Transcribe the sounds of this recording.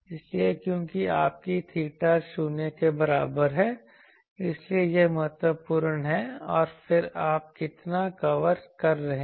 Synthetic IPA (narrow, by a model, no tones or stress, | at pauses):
ɪsliekjõːkiaːp̚kit̪ʰiːʈaʃuːnekebɐɾaːbəɾɦɛː | ɪsliejemɐɦət̪wəpʊɾɳɦɛɔːɾfɪɾaːp̚kɪt̪nakɐʋəɾkɐɾːɐɦẽː